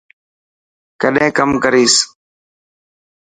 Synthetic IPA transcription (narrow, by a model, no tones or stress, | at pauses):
kəɗẽːkəmkəɾiːs